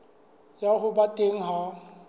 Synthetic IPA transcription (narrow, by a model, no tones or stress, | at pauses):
jaɣʊbatʼeŋ̩ɦa